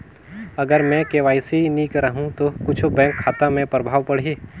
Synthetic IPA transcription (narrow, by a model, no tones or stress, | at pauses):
ɐɡəɾmɛ̃keːʋaːiseiniːkɾɐɦũt̪okʊt͡ʃʰobɛ̃ːŋkʰːaːt̪amẽpɾəbʱaːʋpɐɽ̤iː